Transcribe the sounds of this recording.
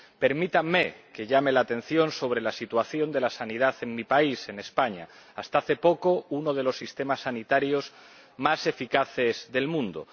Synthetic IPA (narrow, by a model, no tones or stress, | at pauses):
pe̞ɾmit̪amːeke̞ʎamelaːt̪ẽ̞n̟θjo̞nso̞β̞ɾe̞lasit̪waθjo̞nd̪e̞lasanið̞aθe̞ŋmipaise̞ne̞spaɲa̰ːst̪aaθe̞po̞kounoð̞e̞lo̞sːist̪e̞masːanit̪aɾjoz | mase̞fikaθe̞zðe̞lmũnd̪o̰